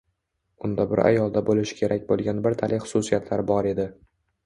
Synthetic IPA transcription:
ʊnd̪abɪɾa̰jɒlˠd̪abolɪʃɪ̥kʲʰe̞ɾʔakʲbolˠɡʲanbɪɾt̪ʰalʔɪχʊ̥sʊsijat̪ʰlaɾbɒɾe̞d̪ɪ

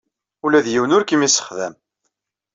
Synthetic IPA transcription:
ulæðjiwənʊɾkimisːə̥χðæm

